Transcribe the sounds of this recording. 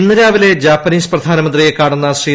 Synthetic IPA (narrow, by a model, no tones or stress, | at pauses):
nːɐɾaːʋile̞d͡ʑaːpːɐniːsprɐd̪ʱaːnɐmɐnd̪rijekːaːɳunːɐsiː